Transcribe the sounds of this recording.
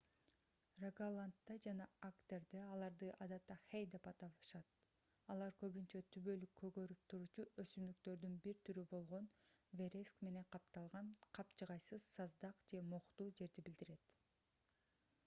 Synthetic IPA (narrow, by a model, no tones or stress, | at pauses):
raɡalˠant̪ːɑd͡ʒɑnɑakt̪ʲe̞ɾd̪eɑlˠɑɾd̪ɯʔɑd̪ɑt̪ːɑχejd̪e̞pɑt̪ɑβʃɑt̪̚ | ɑlˠɑɾkø̞βynt͡ʃøt̪ʰyβø̞lykʰːø̞ɡø̞ɾyp̚t̪ʰuɾuːt͡ʃuʔøsymd̪ykt̪ø̞ɾd̪ynbiɾt̪ʰyɾybo̞lˠʁo̞nve̞ɾʲeskme̞ne̞ŋqʰɑp̚t̪ɑlˠʁɑnqʰɑpt͡ʃɯʁɑjsɯz̥sɑzd̪ɑqd͡ʒe̞moqt̪uːd͡ʒe̞ɾd̪ibild̪iɾe̞t̪